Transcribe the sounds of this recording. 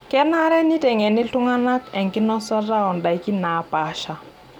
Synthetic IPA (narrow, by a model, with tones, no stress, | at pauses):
kɛ˦na˦ɾɛ˦ni˦te˨ŋɛ˨nɪ˦ɬʊ˦ŋa˦na˦kɛ˨ŋkɪ˦nɔ˦sɔ˦ra˦ɔ˨nda˨jki˦na˨˦pa˨˦ʃa˨